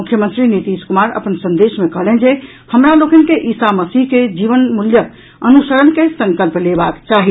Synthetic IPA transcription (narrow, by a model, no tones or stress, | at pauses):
mukʰjəmənt̪ɾinit̪iskumaɾə̰pənsə̃nd̪esmekəɦlend͡ʒe | həmɾalokənkeʔisaməsiɦked͡ʒiʋənmuljə | ənusəɾənkesəŋkəlplebakt͡ʃaɦi